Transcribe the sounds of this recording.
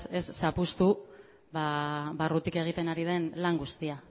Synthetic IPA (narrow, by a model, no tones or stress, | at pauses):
e̞sːapust̪u | baβarut̪ike̞ɣ̞it̪e̞naɾið̞e̞nlaŋɡust̪ia